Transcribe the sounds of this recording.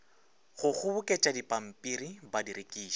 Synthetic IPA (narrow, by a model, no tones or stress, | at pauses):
ɣʊɣʊbʊkʼet͡ʃʼadipʼam̩pʼiɾibadiɾekʼiːʃɔ̥